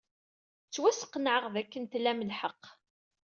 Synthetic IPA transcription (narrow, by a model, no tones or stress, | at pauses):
t͡sːwæsə̥qːnʕəʁðækːənt̪lːæməlħəqː